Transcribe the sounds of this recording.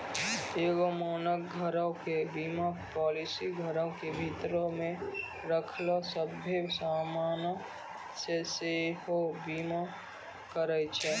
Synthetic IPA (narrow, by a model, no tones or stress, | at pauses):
eːɡomoːnəkɡʱəɾõkebiːmapɔːlisiɡʱəɾõkebʱit̪ɾomẽ | ɾəkʰlosəbʱesaːmaːn | sesehobiːma | kəɾət͡ʃʰɛ